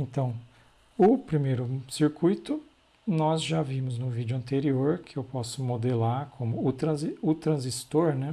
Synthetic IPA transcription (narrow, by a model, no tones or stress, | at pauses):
ẽnt̪ɐ̃w̃ | ʊpɾimejɾʊsiɾkujt̪ʊ | nɔzʒavimʊznʊvid͡ʒʊɐ̃nt̪eɾioɾkʰɪewpɔsʊmod̪elaɾkʰõmʊt̪ɾɐ̃zʊt̪ɾɐ̃zist̪oɾnɛ